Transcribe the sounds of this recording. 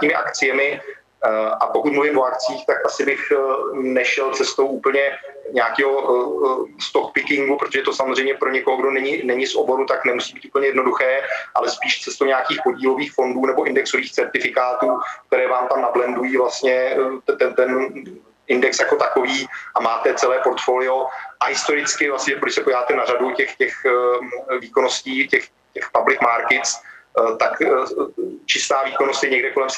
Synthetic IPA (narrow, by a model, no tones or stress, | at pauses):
ɲiːmɪʔa̰kt͡sɪjɛmɪ | ʔapokut̪mluvɪmʔo̞akt͡siːxt̪akʔasɪbɪxnɛʃɛlt͡sɛst̪owʔuːpl̩ɲɛɲaːkɛːɦo | st̪okpɪkɪŋɡupɾot̪oʒɛt̪o̞samozrɛjmɲɛpɾo̞ɲɛkoɦoɡdo̞nɛɲɪnɛɲɪsʔo̰bo̞ɾut̪aknɛmusiːbiːt̪uːpəɲɛjɛdnoduxɛːʔalɛspiːʃt͡sɛst̪owɲaːkiːxpo̞ɟiːlo̞viːxfo̞nduːnɛboʔɪndɛkso̞viːxt͡sɛɾt̪ɪfɪkaːt̪uːk̚t̪ɛɾɛːvaːmt̪amnablɛndujiːvlast̪ɲɛt̪ɛnt̪ɛn | ɪndɛksjako̞t̪ako̞viːʔamaːt̪ɛt͡sɛlɛːpo̞ɾt̪foːlɪo̞ʔaɦɪst̪o̞ɾɪt͡skɪvlast̪ɲɛpoɾdɪʃsɛpoɟɪvaːt̪ɛnaɾaducɛxcɛx | viːko̞nosciːcɛx | cɛxpablɪkmaɾkɪt̪st̪ak | t͡ʃɪst̪aːviːkonost̪jɛɲɛɡdɛko̞lɛms